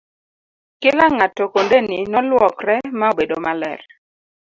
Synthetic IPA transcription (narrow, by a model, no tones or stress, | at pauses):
kɪlaŋatɔkondeninɔlwɔkrɛmaobedomalɛ̰r